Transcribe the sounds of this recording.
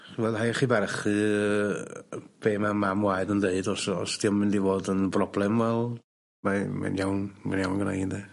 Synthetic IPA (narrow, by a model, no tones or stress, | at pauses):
χivɛlˠhajχivɛrχɨ | b̥eːmamamwaɨdəndeɨdɔsɔ̰sd̥iɔmɪndivoːdənbrɔblˠɛmvɛlˠ | mama̰njawnmanjawnɡəna̰jndɛ